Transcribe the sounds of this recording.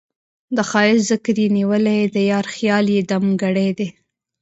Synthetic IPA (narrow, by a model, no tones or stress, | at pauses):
d̪əxɑɪzəkəɾjeniwəlajd̪əjɑɾxjɑljed̪amɡaɽejd̪e